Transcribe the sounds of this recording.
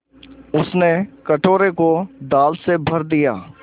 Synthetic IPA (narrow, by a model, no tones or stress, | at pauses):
ʊsnekɐʈoːɾekod̪aːlsebʱɐɾd̪ijaː